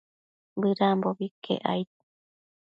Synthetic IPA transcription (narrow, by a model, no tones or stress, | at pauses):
βɨɾamboβikʰḛʔa̰jt̪̚